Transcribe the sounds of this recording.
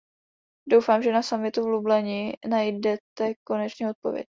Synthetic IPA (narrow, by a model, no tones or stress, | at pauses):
do̞wfaːmʒɛnasamɪt̪uvlublɛɲinajdɛt̪ɛko̞nɛt͡ʃɲɛːo̞t̪̚po̞̰vjɛ̰c̚